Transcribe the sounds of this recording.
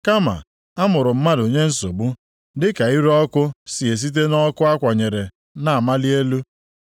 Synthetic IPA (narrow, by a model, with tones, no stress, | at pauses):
ka˦ma̰˨ | a˦mʊ˨ɾʊ˨m̩˦ma˦do˨ɲe˦n̩˦so˨bu˦ | dɪ˦ka˨i˦ɾɔ˦kʊ˦si˨e˨s̬i˦t̬e˦nɔ˦kʊ˦a˦kʷa˨ɲe˨ɾe˨ | na˨a˨ma˦li˦e˦lu˦